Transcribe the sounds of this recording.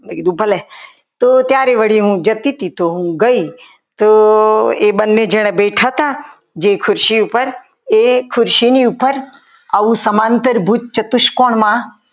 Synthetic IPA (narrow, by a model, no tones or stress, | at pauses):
eɡid̪ubʱəle | t̪ot̪jaːɾeʋəɽiɦũːd͡ʒɐt̪it̪it̪oɦũɡəi | t̪o | eːbənːed͡ʒeːɽ̃ẽbeːʈʰat̪a | d͡ʒekʰʊɾʃiupəɾ | ekʰʊɾʃiniupəɾ | aʋusɐmãːnt̪əɾbʱut͡ʃt͡ʃɐt̪ʊʃkoːɳ̃mã